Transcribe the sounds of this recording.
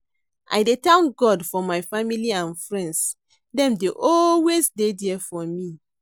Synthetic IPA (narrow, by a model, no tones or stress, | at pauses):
ʔa̰jdetãnɡɔdfɔmajfamiliãnfɹɛ̃nds | dɛ̃mdeʔɔlwesdedɛfɔmi